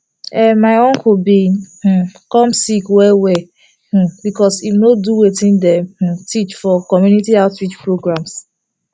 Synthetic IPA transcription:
ɛmaɪɔ̃ŋkubih̩kɔ̃msikwɛwɛ | h̩bikɔsifnoduwetĩndɛ̃mh̩tʰit͡ʃfɔkɔmjunitiaʊtɹit͡ʃpɹoɡɹãms

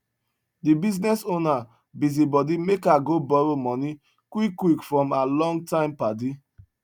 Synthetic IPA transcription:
dibiznɛsona | bizibɔdimekaɡobɔɹomɔni | kwikːwikfɹɔ̃malɔ̃ŋɡ̚tãɪ̃mpade

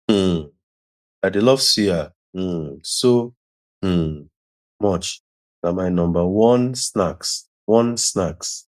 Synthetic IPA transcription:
aɪdelɔv̥sia | so | mɔt͡ʃ | namaɪnɔ̃mbəwɔ̃nsnaks | wɔ̃nsnaks

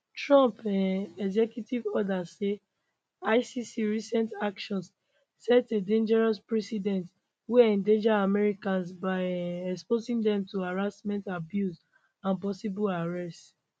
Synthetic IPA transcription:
tɹɔ̃mpãnɛɡzɛkjutivɔdase | aɪsisiɹisɛ̃ntakʃɔ̃ns | sɛtedẽnd͡ʒɛɹɔspɹɛsidɛ̃nt | weɛ̃ndẽd͡ʒaamɛɹikãnsbaɪɛkspozĩndɛ̃mtuaɹasmɛ̃ntabjus | ãnpɔsibulaɹɛst

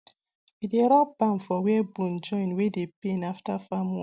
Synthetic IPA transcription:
ideɾɔbamfɔwebund͡ʒɔĩnwedepenaftafamw

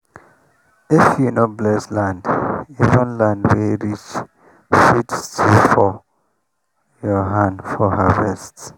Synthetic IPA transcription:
ifjunɔblɛslãndivə̃nlãndwiɹit͡ʃ | fitstʰifɔ | jɔɦãndfɔhavɛst

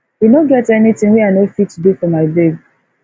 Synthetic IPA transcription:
inoɡɛtɛnitɪ̃ŋwianofitːdefɔmaɪbeɡ

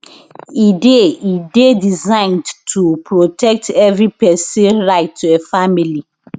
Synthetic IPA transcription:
ideidedizãɪ̃ndtʰupʰɹotɛk̚tʰɛvɹipɛsɛ̃nɹaɪtʰːuɛfamili

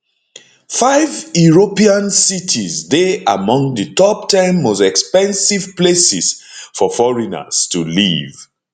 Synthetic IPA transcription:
faɪvjuɹopiãnsitʰizdeamɔ̃ŋðɨtɔp̚tʰãɪ̃mːosɛkspɛ̃nsiv̥plesiz̥fɔfɔɹina̰z̥tuliv

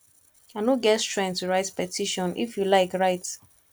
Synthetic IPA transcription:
anoɡɛtstɹɛ̃ntuɹaɪtpɛtʰiʃɔ̃nʔḭfjulaɪkɹaɪt

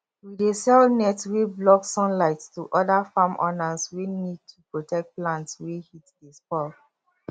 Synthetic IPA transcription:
widesɛlnɛtweblɔksɔ̃nlaɪtstuʔɔdafamʔɔ̰naswenid̚tʰupɹotʰɛk̚t̚plãntswehitdespɔk

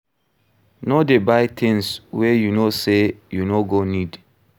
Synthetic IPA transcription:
nodebajtʰɛ̃nswɛjunosejunoɡonid

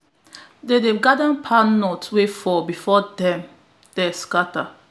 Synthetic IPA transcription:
dedeɡadãnpʰanɔtwefɔbifɔdɛ̃m | d̥ɛskata

